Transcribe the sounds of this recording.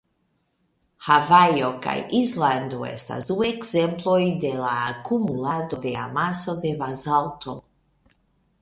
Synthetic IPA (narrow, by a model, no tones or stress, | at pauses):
havajoka̰jisland̪oḛst̪a̰zd̪ueɡzemplojd̪elaːkumulad̪o̞d̪ea̰masod̪evazalt̪ʰo